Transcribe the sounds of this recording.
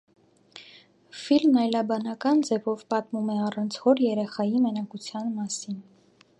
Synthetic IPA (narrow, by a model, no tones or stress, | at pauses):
filmnɑjlɑbɑnɑkɑnd͡zɛvɔvpɑt̪mumɛɑrɑnt͡sʰhɔɾjɛɾɛχɑjimənɑkut͡sʰjɑnmɑsin